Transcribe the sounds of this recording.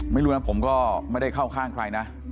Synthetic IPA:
ma˥˩jɾuː˦˥na˦˥pʰo˩˦mkɔː˥˩ma˥˩jda˥˩jkʰa˥˩wkʰaː˥˩ŋkʰɾa˧jna˦˥ʔ

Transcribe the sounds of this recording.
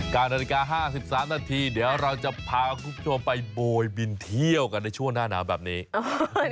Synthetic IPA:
kaː˧nːaː˧i˦˧˩kaː˧ɦaː˥˩si˨˩p̚saː˩˦mnaː˧t̪ʰiː˧niː˩˦əwɾa˧wt͡ɕa˨˩pʰaː˧kʰu˦˥p̚t͡ɕʰo˧mpa˧jboː˧jbi˧nt̪ʰi˥˩əwka˧nːa˧jt͡ɕʰu˥˩əŋnaː˥˩na̰ː˩˦˥wbɛ̰ː˨˩p̚niː˦˥

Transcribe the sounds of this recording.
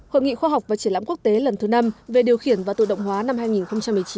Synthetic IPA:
ho̰˧˨jŋḭ˧˨xwaː˧ɦa˨˩wk͡p̚vaː˨˩t͡ɕi˧˩la̰˧˥ku˦˥ək̚t̪e˨˦lə˨˩nt̪ʰɨ˨˦na˧mve˨˩ɗi˨˩əwxi˧˩ənvaː˨˩t̪ɨ̰˧˨ɗə̰˧˨wŋ͡mɦwaː˨˦na˧mɦaː˧jŋi˨˩nxə˧ŋ͡mt͡ɕa˧mːɨ˨˩ət͡ɕi˨˦

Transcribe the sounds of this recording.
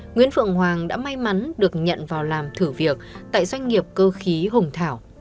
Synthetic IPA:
ŋwi˧˥ənfɨ̰˧˨əŋhwaː˨˩ŋɗa̰ː˧˥ma˧jma˨˦nɗɨ˨˩ək̚ɲə̰˧˨nvaː˨˩wlaː˨˩mt̪ʰɨ˧˩vi˨˩ək̚t̪a̰ː˧˨jzwa˧jŋ̟ŋi˨˩əp̚kəː˧xi˨˦ɦʊ˨˩ŋ͡mt̪ʰaː˧˩w

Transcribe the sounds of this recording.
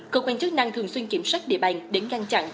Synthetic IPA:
kəː˧kwaː˧nt͡ɕɨ˦˥k̚na˧ŋt̪ʰɨ˨˩əŋswi˧nki˧˩mswa˦˥jk̚ɗḭ˧˨əɓa˨˩jŋ̟ɗe˨˦nɣa˧nt͡ɕa̰˧˨n

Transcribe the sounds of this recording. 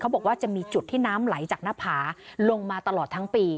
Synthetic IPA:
kʰa˦˥wbɔː˨˩k̚waː˥˩t͡ɕa˨˩miː˧t͡ɕu˨˩t̪ʰːiː˥˩naː˦˥mla˩˦jt͡ɕaː˨˩k̚naː˦˥pʰaː˩˦lo˧ŋmaː˧t̪a˧lɔː˨˩t̪ʰːa˦˥ŋpiː˧

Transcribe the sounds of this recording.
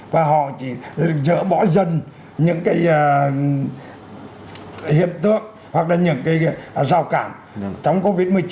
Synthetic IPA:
vaː˨˩ɦɔ̰˧˨t͡ɕi˧˩zə̰ː˧˥ɓɔ˧˥zə˨˩n | ɲɨ̰˧˥ŋkaː˨˦j | hḭ˧˨ənt̪ɨ˧˥əŋ̚ | hwa˨˩k̚laː˨˩ɲɨ̰˧˥ŋkaː˨˦jzaː˨˩wkaː˧˩m | t͡ɕɔ˧wŋ͡mko˨˦vi˧˥t̚mɨ˨˩əjt͡ɕ

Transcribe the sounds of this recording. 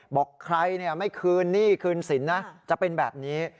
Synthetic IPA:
bɔː˨˩kʰɾa˧jni˥˩ɐma˥˩jkʰɯː˧nːiː˥˩kʰɯː˧nsi˩˦nːa˦˥t͡ɕa˨˩pe˧nbɛː˨˩p̚niː˦˥

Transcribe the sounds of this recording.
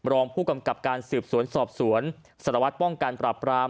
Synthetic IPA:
ɾɔː˧ŋpʰuː˥˩ka˧mka˨˩p̚kaː˧nsɯː˨˩p̚su˨˩˦ənsɔː˨˩p̚su˩˦ən | sa˨˩ɾa˧wa˦˥t̪̚pɔ˥˩ŋka˧npɾaː˨˩pɾaː˧

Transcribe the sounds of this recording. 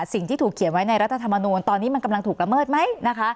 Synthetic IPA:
si˨˩ŋt̪ʰiː˥˩t̪ʰuː˨˩kʰːi˩˦nwa˦jna˧jɾa˦˥t̪ʰːt̪ʰa˧mːa˧nuː˧nt̪ɔː˧nːiː˦˥ma˧nka˧mla˧ŋt̪ʰuː˨˩k̚la˧mɤː˥˩t̪̚ma˦˥jna˦˥kʰa˦˥

